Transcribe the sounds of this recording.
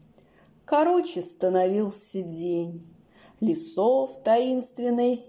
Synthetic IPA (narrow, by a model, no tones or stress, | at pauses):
kɐɾot͡ɕɪst̪ənɐvʲilˠsʲədʲenʲ | lʲɪsoft̪ɐinst̪vʲɪnːəjʲ